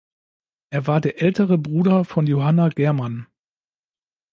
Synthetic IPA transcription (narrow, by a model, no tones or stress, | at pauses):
ʔeːɐvaːɐdeːɐʔɛltəʁəbʁuːdɐfɔnjoɦanaɡɛɐman